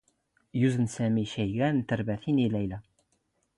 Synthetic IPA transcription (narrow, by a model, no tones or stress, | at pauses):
juzənsæmiʃæjɣænt̪əɾbæθinilæjlæ